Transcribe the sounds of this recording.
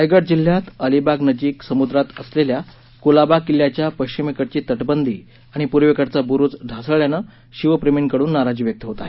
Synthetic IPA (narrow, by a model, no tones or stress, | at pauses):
ajɡəɽd͡ʑil̤ːjat̪əlibaɡnəd͡ʑiːksəmud̪ɾat̪əslelja | kulabakilːjat͡ɕjapəjɕt͡ɕimekəʈt͡ɕiːt̪əʈbənd̪iː | aɽ̃ipuɾʋekəɽt͡sabuɾut͡sɖʱasəʋɭjanə | ɕiʋəpɾemiɳkəɽuːnːaɾad͡ʑiːʋjək̚t̪əɦot̪aɦe